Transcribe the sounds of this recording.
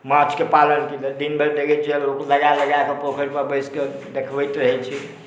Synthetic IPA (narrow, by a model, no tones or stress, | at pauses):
mat͡ʃʰkepalənkelɛd̪inbəɾd̪eɡɛt͡ʃʰiɛbɾokləɡaləɡakepokʰəɾpəɾbəjsked̪ekʰbəjt̪ɾəɦɛt͡ʃʰi